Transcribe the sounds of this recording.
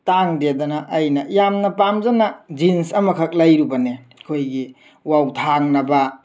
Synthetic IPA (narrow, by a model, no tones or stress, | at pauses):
taŋdedɐnɐʔɐjnɐjamnɐpamzanɐd͡ʒinsɐmɐkʰɐk̚lɐjɾubɐne | kʰojɡi | wawtʰaŋnɐbɐ